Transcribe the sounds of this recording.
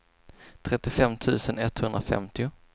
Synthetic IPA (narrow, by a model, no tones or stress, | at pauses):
t̪ʰɾɛt̪ːɪfɛmt̪ʰʉ̟ːsənɛt̪ːhɵnd̪ɾafɛ̰mt̪ɪʊ